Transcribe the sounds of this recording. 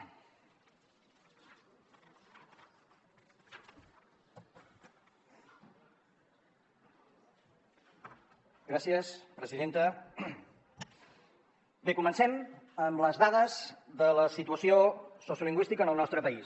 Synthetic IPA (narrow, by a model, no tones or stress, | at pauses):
ɡɾasiəspɾəziðent̪ə | bekumənsɛm | əmləzðaðəzðələsit̪uəsiososjuliŋɡwist̪ikənəlˠnɔst̪ɾəpəis